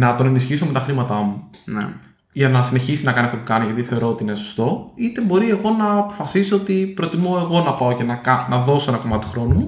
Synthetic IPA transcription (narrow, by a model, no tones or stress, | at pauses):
nɐt̪o̞ne̞nisçiso̞me̞t̪ɐxɾimɐt̪ɐmu | ʝɐnɐsine̞çisinɐkɐniɐft̪opukɐniʝɐt̪iθe̞o̞ɾo̞ot̪iineso̥st̪o̞it̪e̞bo̞ɾie̞ɣo̞nɐːpo̞fɐsisoot̪ipɾo̞t̪imoe̞ɣo̞nɐpɐoce̞nɐkɐnɐðo̞so̞enɐko̞mɐt̪t̪u̥xɾo̞numu